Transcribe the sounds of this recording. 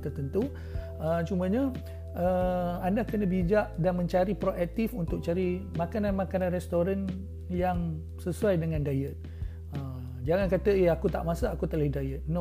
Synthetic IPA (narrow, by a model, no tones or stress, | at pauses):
t̪ərt̪ənt̪u | ət͡ʃumə̃ɲə̃ | ʔəandakənəbid͡ʒaʔdanmə̃ɲt͡ʃaɾipɾoʔak̚t̪ifunt̪ʊk̚t͡ʃaɾimakananmakanãnrɛst̪oɾan | jaŋ | səsuajdəŋãndajət̪̚ | ə | d͡ʒaŋankat̪əeakut̪a̰ʔmasaːkut̪əlahdajət̪̚no